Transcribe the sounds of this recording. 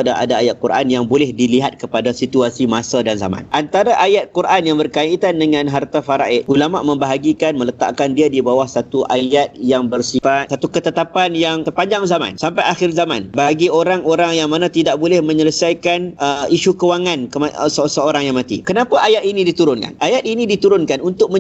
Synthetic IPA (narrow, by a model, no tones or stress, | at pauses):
daʔa̰daajat̪̚kuɾʔa̰njaŋbolɛhdiliɦat̪̚kəpadasit̪uasimasadanza̰mã̰nʔant̪aɾaʔajat̪̚kurʔanjaŋbərkait̪andəŋãnɦart̪afaɾaʔɪʔulama̰ʔmə̃mbaɦaɡikanmələt̪a̰ʔkandiadibawahsat̪uʔajat̪̚jaŋbərsifat̪̚sat̪ukət̪ət̪apanjaŋt̪ərpaɲd͡ʒaŋzamã̰nsampajaxɪrzamã̰nbaɡioɾaŋoɾaŋjaŋmanãt̪idaʔ̚bolɛhmə̃ɲələsajkanəiʃukəwaŋankəmasəsəoɾaŋjaŋmãt̪ḭkənapaʔajat̪̚inidit̪uɾʊnka̰nʔajat̪̚inĩdit̪uɾʊnkanunt̪ʊk̚mə̃